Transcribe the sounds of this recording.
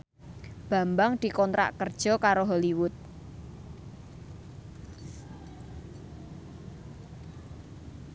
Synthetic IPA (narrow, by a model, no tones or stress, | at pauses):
b̥a̤mbaŋd̪̥i̤kɔnt̪ɾa̰ʔkərd̥ʒ̥ɔ̤kaɾoɦɔliwʊt̪̚